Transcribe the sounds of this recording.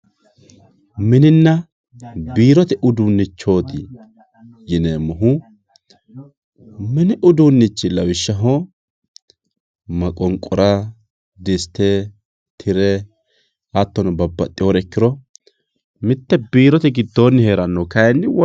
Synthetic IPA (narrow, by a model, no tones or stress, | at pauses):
mɪnɪnːɐ | biːɾɔt̪ɛʔʊd̪unːɪt͡ʃːo̞ːt̪ɪ | jɪneːmːɐɦʊ | mɪnɪʔʊd̪unːɪt͡ʃːɪlɐwɪʃːɐɦo | mɐkʼɔŋkʼːɔɾɐ | d̪ɪst̪ɛ | t̪ʰɪɾɛ | ɐt̪ːɔnɐbɐbːɐt̪ʼɪoɾɛkːɪɾɔ | mɪt̪ːɛbiːɾɔt̪ɛɡɪd̪ːo̞ːnːɪhe̞ːɾɐnːɔkɐjɛnːɪwɔ